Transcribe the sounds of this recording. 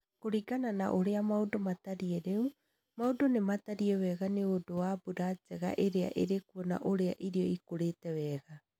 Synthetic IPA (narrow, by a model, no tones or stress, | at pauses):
koɾiɡanana̰ʔoɾeamawdomataɾieɾeu | mawdonemataɾiɛβɛɡaneodoabuɾad͡ʒeɣa̰ʔeɾea̰ʔḛɾekuona̰ʔoɾea̰ʔiɾioikoɾetɛβɛːɡa